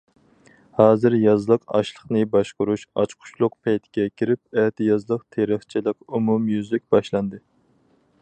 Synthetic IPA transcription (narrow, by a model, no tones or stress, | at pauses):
hɑːzɨɾjɑzlˠəqɑ̰ʃlˠəχnɨbɑʃqʊɾuʃɑ̰t͡ʃqʰʊ̥ʃlˠʊq̚pʰɛjt̪ʰɪ̥ɡʲɛkʲʰiɾɪp̚ɛt̪ʰɪjɑzlˠəqt̪ʰeɾɪχt͡ʃʰilɪkumumjyzlɪk̚ʲbɑʃlˠɑnd̪ɨ